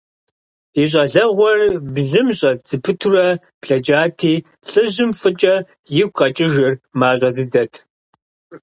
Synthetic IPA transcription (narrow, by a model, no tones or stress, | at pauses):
iɕ̬ʼɐɮɐʁʷɔrbʑɪmɕʼɐt͡sɨpʰɨtʰurɐ | pɬɐd͡ʒaːtʰiː | ɬʼɨʑɪmfɨt͡ʃʼɐ | jɪɡ̚ʷqʼɐt͡ʃʼɪʒɨrmaːɕʼɐdɨdɐtʰ